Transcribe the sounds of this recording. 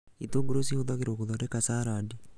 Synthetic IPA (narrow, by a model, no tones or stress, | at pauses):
it̪oɡoɾosihoðaɣeɾokoðɔɾekasaɾadi